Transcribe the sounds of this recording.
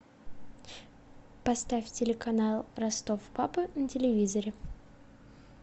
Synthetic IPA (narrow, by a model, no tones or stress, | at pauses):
pɐst̪afʲtʲɪlʲɪkɐnalˠrɐst̪ofpapɨnətʲɪlʲɪvʲizəɾʲɪ